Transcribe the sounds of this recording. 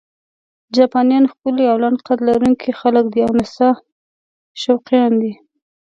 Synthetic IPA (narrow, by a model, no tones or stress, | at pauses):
d͡ʒɑpɑnjɑnxkəliawlanqat̪laɾuŋkʰixaləkd̪iawnasɑ | ʃawqijɑnd̪i